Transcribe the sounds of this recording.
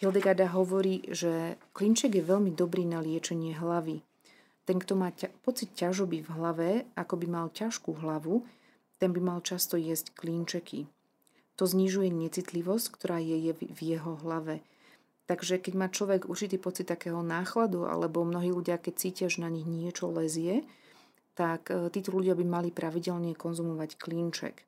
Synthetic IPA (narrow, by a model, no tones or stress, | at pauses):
fɛld̪ɛɡad̪aɦɔʋɔɾiːʒɛkliːnt͡ʃɛɡjɛʋɛʎmid̪ɔbɾiːnalɪɛt͡ʃɛɲɪɛɦlaʋi | t̪ɛŋkt̪ɔmaːpɔt͡sit̪̚cːaʒɔbivɦlaʋɛakɔbimalcaʃkuɦlaʋu | t̪ɛnbimalt͡ʃast̪ɔjɛsckliːnt͡ʃɛkḭ | t̪ɔzɲiʒujɛɲɛt͡sit̪liʋɔsckt̪ɔɾaːjɛjɛvjɛɦɔɦlaʋɛ | t̪aɡʒɛkɛɟmaːt͡ʃlɔʋɛɡṵɾt͡ʃit̪iːpɔt͡sit̪ːakɛːɦɔnaːxlad̪uʔa̰lɛbɔmnɔɦiːluɟɪakɛc̚t͡siːcɪaʒɛnaɲiɣɲɪɛt͡ʃɔlɛzɪɛ | t̪akt̪iːt̪ɔʎuɟɪabimalipɾʔaʋiɟɛlɲɛkɔnzumɔʋackliːnt͡ʃɛ̰k